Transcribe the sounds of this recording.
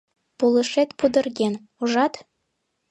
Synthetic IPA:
pulˠɤ̆ʂet̪pud̪ɤ̆rɡʲen | uʐɑt̪

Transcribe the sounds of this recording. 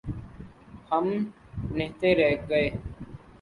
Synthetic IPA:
həm | nɪɦt̪eɾɛɦɡəeː

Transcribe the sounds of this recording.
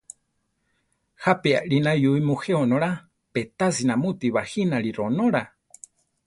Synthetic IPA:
hapea̰ʔɺinajuimuheonõɾa | pet̪asinãmut̪iβahinaɺiɾonoɾa

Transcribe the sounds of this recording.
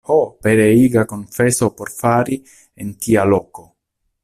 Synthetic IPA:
hopeɾeiɡakonfesopoɾfaːɾi | ent̪ialoːko

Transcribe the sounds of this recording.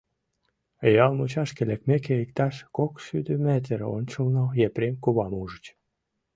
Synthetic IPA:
jɑlˠmut͡ɕɑʃkelekmekeikt̪ɑʃkokʃyd̪ømæt̪̬ʲeɾo̰nʲt͡ɕulnojepɾʲemkuβɑmuʒət͡ɕ

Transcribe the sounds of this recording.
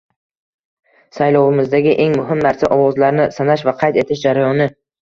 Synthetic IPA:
sajlɒwɪmɪzd̪aɡʲɪʔe̞ŋmʊɦɪmnaɾsaʔɒwɒzlaɾnɪsanaʃvaqʰɑjt̪e̞t̪ʰɪʃd͡ʒaɾajɒnɪ

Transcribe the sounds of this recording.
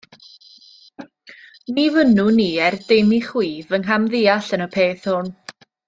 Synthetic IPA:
nivənuniːɛrdejmiχwiːvənɦamðɪːaɬənəpʰeːθhʊn

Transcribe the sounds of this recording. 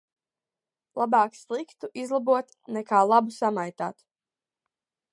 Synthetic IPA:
lˠabɑːkslˠikt̪uʔizlˠabuɔt̪ | nɛkaːlˠabusamajt̪a̰ːt̪

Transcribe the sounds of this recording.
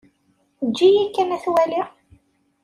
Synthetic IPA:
d͡ʒːijækːænæθwæliʁ

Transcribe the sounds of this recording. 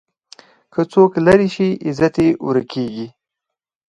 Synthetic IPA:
kʰət͡soklaɾiʃiɪzat̪eʔṵɾakʰeɡi

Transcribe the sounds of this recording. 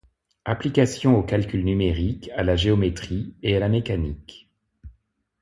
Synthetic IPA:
aplikasjɔ̃okalkʲylnymeʁikalaʒeɔmet̪χiealamekanik

